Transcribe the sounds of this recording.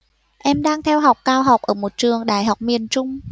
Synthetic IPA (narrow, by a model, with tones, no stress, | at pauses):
ʔɛ˧mɗaː˧ŋt̪ʰɛ˧wɦa˨˩wk͡p̚kaː˧wɦa˨˩wk͡p̚ʔəː˧˩mo˨˩t̚t͡ɕɨ˨˩əŋɗaː˧˩jɦa˨˩wk͡p̚mi˨˩ənt͡ɕʊ˧ŋ͡m